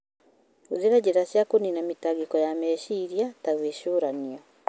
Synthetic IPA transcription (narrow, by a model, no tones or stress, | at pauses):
oðeɾad͡ʑeɾasjakoninamitaɡekɔjamɛɕiɾiataɣweʃoːɾaniɔ